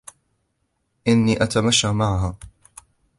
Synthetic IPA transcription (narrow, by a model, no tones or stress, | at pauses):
ʔɪnːiːʔat̪amaʃːamaʕaɦaː